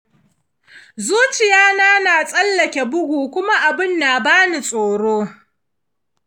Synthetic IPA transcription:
zuː˦t͡ʃɪ˨jaː˦naː˦naː˨sʼɐ˦lːɐ˨kʲe˨bʊ˦ɡʷuː˨kʷʊ˦ma˦ʔa˨bɪ˦nːaː˨baː˦ni˨sʼoː˨ɽoː˦

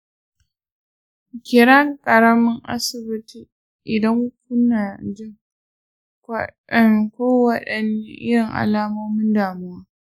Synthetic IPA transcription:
kʲɪ˨ɾa˦kʼɐ˨ɾɐ˦mɪ˦ŋʔa̰˦sɪ˨bɪ˦ti˨ | ʔɪ˨dɐ˦ŋ˦kʊ˦naː˨d͡ʒɪ˦ŋ˦ | nkʷoː˦wɐ˦ɗɐ˨n˦ʔɪ̰˦jɪ˨ŋʔa̰˨laː˦moː˦mɪ˦ndaː˨mʊ˦waː˦

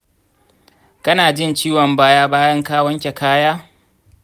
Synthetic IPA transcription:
kɐ˦naː˨d͡ʒɪ˦nt͡ʃiː˦wɔ˨mbaː˦jaː˦baː˦jɐ˦ŋkaː˦wɐ˦ŋkʲe˨kaː˦jaː˦

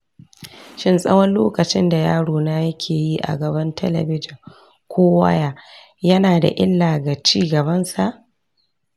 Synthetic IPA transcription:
ʃɪ˦nsʼɐ̰˦wɐ˦nloː˦kɐ˨t͡ʃɪ˦nda˨jaː˦ɽoː˨naː˦jɐ˦kʲʰeː˨ji˦ʔa̰˨ɡɐ˨bɐ˦ntʰɐ˦lɐ̰˨bɪ˦d͡ʒɪ˨ŋ | kʷʰoː˦wɐ̰˦ja˦ | jɐ˦naː˨da̰˨ʔɪ˦lːaː˨ɡa˨t͡ʃiː˦ɡɐ˨bɐ˦nsa˨ʔ

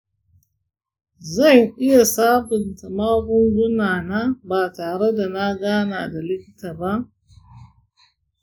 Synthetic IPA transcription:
za˦˨ŋʔɪ˦ja˨saː˦bʊ˨nta˨maː˦ɡʷʊ˦ŋɡʷʊ˦naː˨na˦baː˨taː˨ɾe˦da˨na˦ɡaː˦na˨da˨lɪ˦kʲɪ˦ta˨ba˦

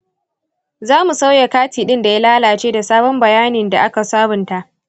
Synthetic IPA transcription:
zaː˦mu˨sa˦wja˨kaː˦tiː˨ɗɪ˦nda˨ja˦laː˦laː˨t͡ʃeː˦da˨saː˦bɔ˦mbɐ˨jaː˦nɪ˨nda˨ʔa˦ka˨saː˦bʊ˨nta˦ʔ

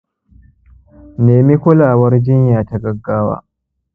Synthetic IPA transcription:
neː˨mi˦kʷʊ˦laː˨wɐ˦rd͡ʒɪ˦ɲjaː˨ta˦ɡɐ˦ɡːaː˦wa̰ː˦

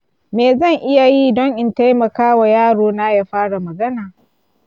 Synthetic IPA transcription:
meː˨zɐ˦˨ŋʔɪ˦ja˨ji˦dɔ˦ŋʔɪ˨nta˦jmɐ˨kaː˦wa˨jaː˦ɽoː˨na˦ja˦ɸaː˦ɽa˨mɐ˨ɡɐ˦naː˨

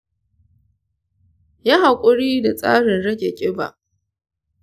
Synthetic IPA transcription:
ja˦ɦa˨kʷʼʊ˦ɽiː˦da˨sʼa̰ː˦ɽɪ˨nɽɐ˦ɡʲe˨kʲʼɪ˦ba̰˨ʔ

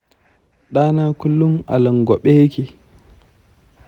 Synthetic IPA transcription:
ɗaː˦naː˦kʊ˦lːʊ˦mʔa̰˨lɐ˨ŋɡʷɔ˨ɓe˦je˦kʲeː˨

